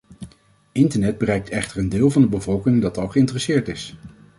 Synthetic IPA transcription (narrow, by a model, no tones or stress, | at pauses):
ɪntəɹnɛd̚bərɛjk̚tʰɛχtəɹəndɪːlˠvɑndəbəvɔlˠkɪŋdɑtɑlˠχəɪntərəsɪːɹtɪs